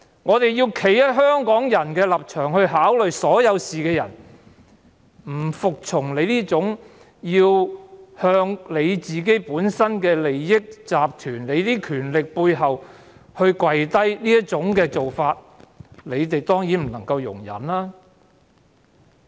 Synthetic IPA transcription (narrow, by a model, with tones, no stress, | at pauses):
ŋɔː˨˧t̪e˨jiː˧wkʰe˨˩jjɐ˥t̚ɦœː˥ŋkɔː˨˥ŋjɐ˨˩nkɛː˧lɐ˨p̚t͡ʃʰœː˨˩ŋhɵ˧ɥɦaː˨˥wlɵ˨ɥjsɔː˨˥jɐ˨˧wsiː˨kɛː˧jɐ̰˨˩n | m̩˨˩fʊ˨k̚t͡ʃʰʊ˨˩ŋle˨˧jliː˥t͡sʊ˨˥ŋ | jiː˧whœː˧ŋle˨˧jt͡siː˨k̬e˥jpuː˨˥nsɐ˥nkɛː˧le˨jːɪ˥k̚t͡saː˨p̚t̪ʰyː˨˩nle˨˧jt̪iː˥kʰyː˨˩nlɪ˨k̚puː˧jɦɐ˨w | hɵ˧ɥkwɐ˨jt̪ɐ˥jliː˥jɐ˥t̚t͡ʃʊ˨˥ŋkɛː˧t͡so˨wfaː˧t̚ | le˨˧jt̪e˨jt̪ɔː˥ŋjiː˨˥nm̩˨˩nɐ˨˩ŋkɐ˧wjʊ̰˨˩ŋjɐ̰˨˩nlaː˥